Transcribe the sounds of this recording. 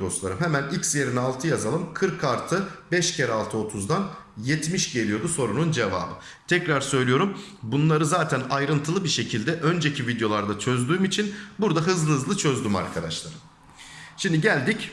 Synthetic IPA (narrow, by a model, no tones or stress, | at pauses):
d̪o̞slˠaɾɯmɦemænicsjeɾinalˠt̪ʰɯjazalˠɯmkʰɯɾkʰaɾt̪ʰɯbɛʃcʰeɾalˠt̪ʰɯo̞t̪ʰuzd̪an | jɛt̪miʃɟe̞lʲijo̞d̪uso̞ɾunund͡ʒe̞va̰ːbɯ̰ | t̪ʰɛcɾaɾsø̞jlʲijo̞ɾum | bunlˠaɾɯzaːt̪ʰænajɾɯnt̪ʰɯlˠɯbiɾʃe̞cʰilʲd̪ɛʔø̞nd͡ʒecʰivid̪jo̞lˠaɾd̪at͡ʃʰø̞zd̪yːmit͡ʃʰinbuɾd̪aɦɯzlˠɯhɯzlˠɯt͡ʃʰø̞zd̪yma̰ɾkʰad̪a̰ʃlˠa̰ɾɯm | ʃimd̪iɟælʲd̪ic